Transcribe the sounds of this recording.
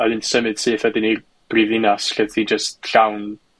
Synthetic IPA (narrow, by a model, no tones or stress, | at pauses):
ɔðɨnsəmɨd̥seːθwɛdɪnir | b̥rivinasɬɛðθid͡ʒəstɬawn